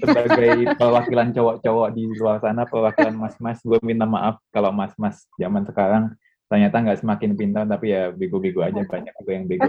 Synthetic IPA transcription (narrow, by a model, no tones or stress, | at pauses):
səbaɡajpəlwakilant͡ʃɔwɔʔt͡ʃɔwɔʔdiluarsanapəlwakilanmasmasɡuamint̪ama̰ʔafkalomasmas | d͡ʒamansəkaɾaŋ | t̪ərɲat̪aŋɡaʔsəmakɪnpint̪at̪apijabeɡubeɡuad͡ʒabaɲak̚ɡuajaŋbeɡu